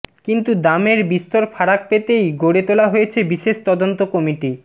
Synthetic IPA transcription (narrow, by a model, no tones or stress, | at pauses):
kint̪ud̪ameɾbist̪oɾfʰaɽak̚pet̪ejɡoɽet̪olaɦojet͡ɕʰebiʃeʃt̪ɔd̪ont̪okɔmiʈi